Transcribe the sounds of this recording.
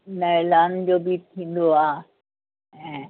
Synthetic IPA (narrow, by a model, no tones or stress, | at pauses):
nəɾland͡ʒobit̪ʰĩnd̪oa | ɦɛ̃